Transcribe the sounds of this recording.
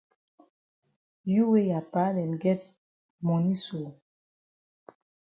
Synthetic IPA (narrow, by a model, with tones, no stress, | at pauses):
ju˦we˦ja˨pa˨˦lɛ˨n˨ɡɛ˦t̚ | mɔ˨ni˦so˨